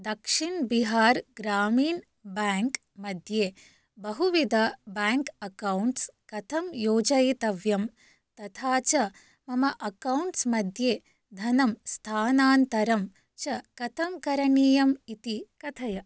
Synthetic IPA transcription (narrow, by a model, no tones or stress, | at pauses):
d̪ɐkʂiɳbiɦaːɾɡɾaːmiːɳ | baːŋk | mɐd̪ʱjeː | bɐɦuʋid̪ʱɐbaːŋkɐkɐwɳʈskɐt̪ʰɐmjoːd͡ʒɐjit̪ɐʋjɐm | t̪ɐt̪ʰaːt͡ʃɐ | mɐmɐʔɐkɐwɳʈsmɐd̪ʱjeː | d̪ʱɐnɐmst̪ʰaːnaːnt̪ɐɾɐm | t͡ʃɐkɐt̪ʰɐmkɐɾɐɳiːjɐmit̪ikɐt̪ʰɐjɐ